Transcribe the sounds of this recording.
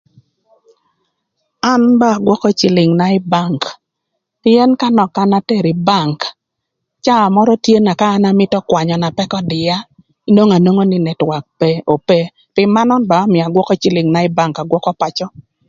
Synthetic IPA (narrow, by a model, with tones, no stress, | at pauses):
a˦nba˦˨ɡwɔ˦kɔ˦t͡ʃɪ˨lɪ˨ŋna˨ɪ˦ba˦˨ŋk | ɪɛ˦nka˦nɔ˨ka˦na˦te˦˨ɾi˨ba˦˨ŋk | t͡ʃa˦a˨mɔ˦ɾɔ˦tje˦na˨kaː˦na˦mɪ˦tɔ˦kwa˨ɲɔ˨na˨pɛ˦kɔ˦dɪ˨ja˦ | i˦no˦ŋa˨no˦ŋo˦nɪ˨nɛ˨twa˨k̚pɛ˦o˨pe˦ | pɪ˨mːa˦nɔ˦nba˨˦mɪ˨a˨ɡwɔ˦kɔ˦t͡ʃi˦lɪ˨ŋna˦ɪ˦ba˦ŋka˨ɡwɔ˦kɔ˦pa˨t͡ʃɔ˦